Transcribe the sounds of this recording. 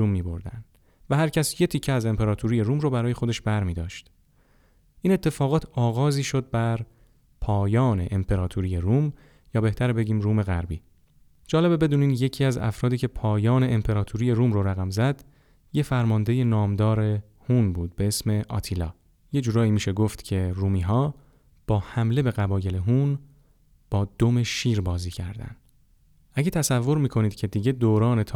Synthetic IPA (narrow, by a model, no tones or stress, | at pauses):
uːmːiːbo̞ɾd̪æ̰nd̪ | væhæɾcʰæsje̞t̪ʰicʰːeæze̞mpʰe̞ɾɒːt̪ʰuɾiːje̞ɾuːmrobæɾɒːje̞xo̞d̪eʃbæɾmiːd̪ɒːʃt̪ | ʔiːnet̪ʰːe̞fɒːɣɒːt̪ʰɒːɣɒːziːʃo̞d̪̚bæɾ | pʰɒːjɒːne̞̰ʔempʰe̞ɾɒːt̪ʰuɾije̞ɾuːm | jɒːbe̞ht̪ʰæɾbe̞ɟiːmɾuːme̞ɣæ̰ɾbiː | d͡ʒɒːle̞be̞be̞d̪uːniːnje̞cʰiːæzæ̰fɾɒːd̪iːcʲʰe̞pʰɒːjɒːne̞ʔempʰe̞ɾɒːt̪ʰuɾiːje̞ɾuːmɾoɾæɣæmzæd̪ | je̞fæɾmɒːnd̪e̞je̞nɒːmd̪ɒːɾe̞ | hunbuːd̪̚be̞esme̞ʔɒ̰ːt̪ʰilɒ̰ː | je̞d͡ʒuːɾɒːimiːʃe̞ɡo̞ft̪cʰe̞ruːmiːɦɒː | b̥ɒːhæmle̞be̞ɣæbɒːje̞le̞ɦuːn | b̥ɒːd̪ome̞ʃiːɾbɒːziːcʰæ̰ɾd̪æ̰nd̪̥ | ʔæɟe̞t̪ʰæsævːo̞ɾmiːkʰo̞niːd̪̥cʰe̞d̪iːɟe̞d̪oːɾɒːne̞t̪ʰ